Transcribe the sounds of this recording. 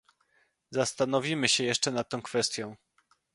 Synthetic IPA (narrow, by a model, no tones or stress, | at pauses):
zast̪anɔvʲimɘɕɛjɛʂt͡ʂɛnat̪̚ːɔ̃w̃kfɛst̪ʲjɔ̃w̃